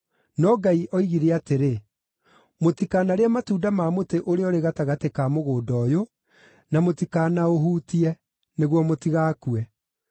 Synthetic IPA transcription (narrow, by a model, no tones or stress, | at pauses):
nɔɡaiʔɔiɣiɾeateɾe | motikaːnaɾeamatuːdamamoteʔoɾeɔɾeɣataɣatekaːmoɣoːdɔːjo | namotikanaoɦuːtiɛ | neɣwɔmotiɣaːkuɛ